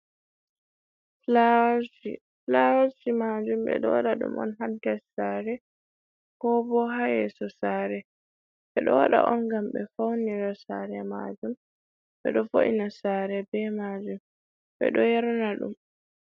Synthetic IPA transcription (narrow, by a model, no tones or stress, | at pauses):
flawd͡ʒḭ | flawasimad͡ʒumɓɛ̰ɗɔwaɗaɗṵmʔɔ̰nɦadɛlsaɾɛ | kɔbɔɦajɛsɔsaːɾɛ | ɓɛɗɔwa̰ɗa̰ʔɔnɡamɓɛfawniɾɔsa̰ɾɛma̰d͡ʒum | ɓɛ̰ɗɔfoʔinasaːɾɛbɛmad͡ʒum | ɓɛ̰ɗɔjɛɾɔnaɗṵm